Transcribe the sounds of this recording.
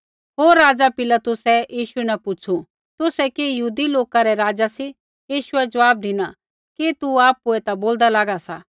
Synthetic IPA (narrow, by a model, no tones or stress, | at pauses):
ɦoːɾːaːd͡zapɪlat̪ʊsɛjiːʃuɛnɛpʊt͡ʃʰu | t̪ʊsɛkijɐɦuːd̪iloːkaɾɛɾaːd͡zasi | jiːʃʊɛd͡ʒɐʋaːb̚d̪ɪnã | kit̪uaːpuɛt̪aboːld̪alaːɡasa